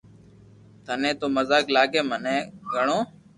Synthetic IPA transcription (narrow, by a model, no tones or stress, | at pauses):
t̪ʰənẽːt̪oːməzaːklaːɡeːmənẽːɡʱəɳoː